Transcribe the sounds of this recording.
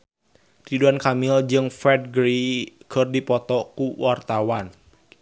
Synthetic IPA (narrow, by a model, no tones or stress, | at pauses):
riduankamɪld͡ʒɨŋfɛd̚ɡɾikʰɨrdipɔt̪ɔkuwart̪awan